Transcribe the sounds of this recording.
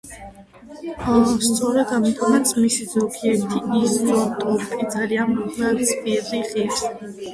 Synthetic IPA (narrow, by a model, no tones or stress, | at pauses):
ast̪sʼɔɾɛd̪amt̪ʰɔmat̪sʰmisizɔkʰiɛɾt̪ʰiizɔt̪ʼɔpʼid̪zalianɾɔχakispʼiɾiχiɾs